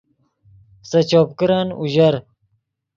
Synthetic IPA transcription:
sɐt͡ɕoːpkiɾaːnṵʑɐɾ

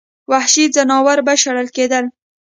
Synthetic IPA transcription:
wahʃizanɑwaɾbaʃaɽəlked̪əl

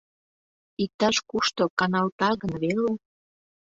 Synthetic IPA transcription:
ik̚t̪ɑʃkuʃt̪okɑnɑlt̪ɑɣənβele

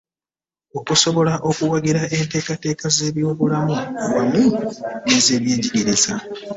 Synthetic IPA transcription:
o̞kuso̞βo̞laʔo̞kuwaɡeɾaʔe̞nte̞ːkate̞ːkaze̞ːβjo̞ːβulamuwamuneze̞ːβje̞ːɲɟiɟiɾeza̰

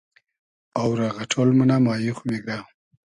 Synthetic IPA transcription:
awɾaɣaʈʰolmunamɑːjuχmeɡa

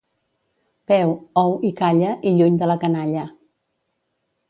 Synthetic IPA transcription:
pɛwɔwikaʎəʔiʎuɲd̪ələkənaʎə

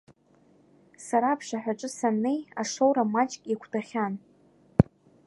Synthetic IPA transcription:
saɾaːpʰʂaħʷᶣaʈ͡ʂʼɨsanːe̞jaʂowɾamat͡ʃʼkʼakʷʰdʰaχʲan

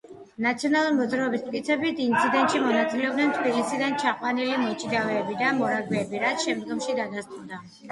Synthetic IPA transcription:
nat̪sʰiɔnalˠuɾimɔd̪zɾaɔbist̪kʼit̪sʰɛbit̪int̪sʰid̪ɛnt̪ʼʃimɔnat̪sʼilɛɔb̚d̪nɛnt̪ʰbilisid̪ant͡ʃʰaqʼwanilimɔt͡ʃʼid̪avɛːbid̪amɔɾaɡwɛːbiɾat̪sʰʃɛmd̪ɡɔmʃid̪ad̪ast̪ʼuɾd̪a

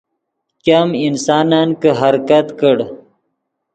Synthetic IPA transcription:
kaminsɑːnaːnkəɦaɾkɐt̪kəɽ

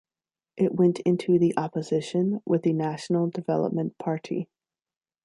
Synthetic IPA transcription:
ʔɪʔwɛ̃ntʰɪ̃ntʰʉðiʔɑpɨzɪʃɨ̃nwʔɪðɨnæʃn̩l̩ˠdɨvɛlˠə̰p̚mɨ̃npʰɑɹɾḭ

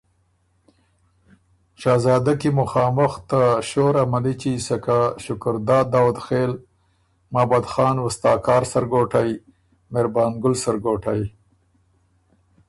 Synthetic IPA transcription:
ʃɑːzɑːd̪akimʊxɑːmʊxt̪aʃoɾamalit͡ʃisakaʃʊkʊɾd̪ɑːd̪ɑːwʊd̪xel | maːbad̪xɑːnwʊst̪ɑːkɑːɾsaɾɡoʈaj | meɾbɑːnɡʊlsaɾɡoʈaj

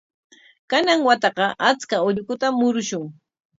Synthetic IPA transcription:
kanaŋwat̪ɑqɑʔat͡skaʊʎkʊt̪amːʊɾʊʃʊŋ

